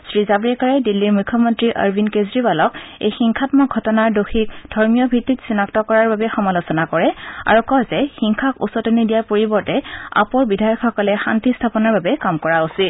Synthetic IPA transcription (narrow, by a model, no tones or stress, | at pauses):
sɹizabɹiɛkaɹɛdilːiɹmukʰːɔmɔntɹiʔa̰ɹbʱinkezɹibalɔkḛjxiŋkʰatmɔɡʱɔtɔnaɹdoxʰik̚d̥ʱɔɹmijɔbʱitːitsinaktɔkɔɹaɹbabɛxɔmalosɔnakɔɹɛa̰ɹukɔzɛxiŋkʰakṵsɔtɔnidijaɹpoɹibɔɹtɛa̰pɔɹbidʱajɔkxɔkɔlɛxa̰ntistʰapɔnɔɹbabɛkamkɔɹausit̚